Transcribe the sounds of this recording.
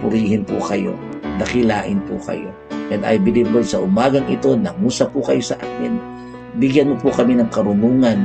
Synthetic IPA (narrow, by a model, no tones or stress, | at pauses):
pʊɾiːhɪnpʊ̰kɐjo̞̰nɐkɪlaːʔɪnpʊkɐ̰jo̞̰ | ʔɛnd̪ɐ̰jbɪlibolsɐʔʊmaːɡɐŋʔɪ̰t̪o̞nɐmusapʊkɐjosɐʔaːkɪn | bɪɡjanmopʊkɐminɐŋkɐɾʊnuːŋan